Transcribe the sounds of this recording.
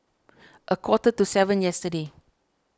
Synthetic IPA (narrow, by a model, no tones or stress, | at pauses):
ʔəkwɔtətusɛvə̃njɛstəde